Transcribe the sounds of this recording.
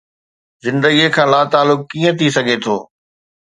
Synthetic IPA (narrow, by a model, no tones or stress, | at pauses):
zɪ̃nd̪əɡiekʰãːlaːt̪aːlʊkːiːə̃t̪ʰisɐɡʱet̪ʰoː